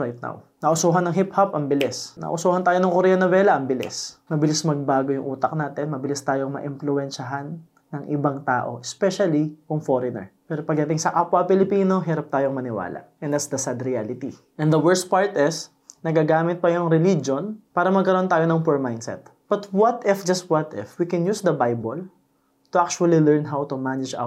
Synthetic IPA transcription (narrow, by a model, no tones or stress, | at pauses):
ɹajt̪̚na̰wnɐʔʊsoːɦɐnɐŋɦhiphɐpʔɐmbɪlɪsnʔɐ̰ʔʊsoːhɐnt̪aːjo̞nɐŋkoɾɛjɐnɐvɛːlɐʔɐmbɪlɪ̰smɐbɪlɪsmɐɡ̚baːɡojʊŋʔuːt̪ɐk̚naːt̪ɛnmɐbɪlist̪aːjoŋmɐ̰ʔɪɱflʊɛnʃɐɦanː | ɐŋʔɪbaŋt̪a̰ːʔo̞̰ʔɛspɛʃɐlijʊŋfoɾɪnɛ̰ɹpɛːɾopɐɡ̚d̪ɐt̪ɪŋsɐʔapwɐpɪlɪpiːno̞ɦɛːɾɐp̚t̪aːjoŋmɐnɪwa̰ːlɐ̰ʔʔɛ̃nd̪at̪sd̪ɐsad̪ɾɪalɪt̪i | ʔɛ̃nd̪ɐwɛɹst̪̚paɹt̪ɪs | nɐɡaɡaːmɪt̪̚pɐjʊŋɾɛlid͡ʒonpaːɾɐmɐɡkɐɾoʔont̪aːjonɐŋpɛɹmajnd̪sɛ̰t̪̚ | b̥ɐt̪wɐt̪ɪfd͡ʒɐst̪̚wɐt̪ɛ̰fwikɛnjuːsd̪ɐbajbol | t̪ʊʔak̚t͡ʃʊɐlilɛɹnɦawt̪ʊmanɪd͡ʒa̰